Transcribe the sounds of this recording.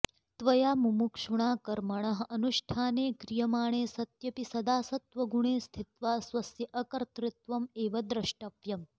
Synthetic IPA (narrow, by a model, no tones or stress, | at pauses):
t̪ʋɐjaːmumukʂuɳaːkɐɾmɐɳɐɦɐnuʃʈʰaːneːkɾijɐmaːɳ̃eːsɐt̪jɐpisɐd̪aːsɐt̪ʋɐɡuɳeːst̪ʰit̪ʋaːsʋɐsjɐʔɐkɐɾt̪ɾɪt̪ʋɐmeːʋɐd̪ɾɐʂʈɐʋjɐm